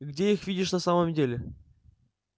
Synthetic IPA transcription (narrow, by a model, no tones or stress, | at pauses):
ɡdʲeixvʲidʲɪʂnɐsaməmdʲelʲɪ